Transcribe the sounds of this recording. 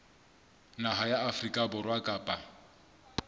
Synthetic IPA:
naɦajaafrikʼabʊrwakʼaːpʼa

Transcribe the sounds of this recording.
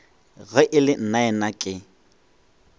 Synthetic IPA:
ɣɛʔɪlɪn̩naɛnakʼɪ

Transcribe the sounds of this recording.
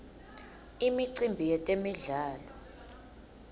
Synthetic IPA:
imiǀimbʱijɛtʼemiɮaːlɔ

